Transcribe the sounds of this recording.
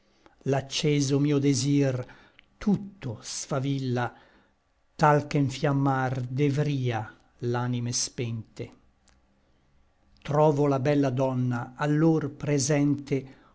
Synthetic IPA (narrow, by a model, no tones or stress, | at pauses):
lat͡ʃːɛːzomiːod̪ezir | t̪ʰut̪ːosfavilːa | t̪alkeɱfjamːard̪evɾiːa | laːnimespɛnt̪e | t̪ɾɔːvolabɛlːad̪ɔnːaːlːorpɾezɛnt̪e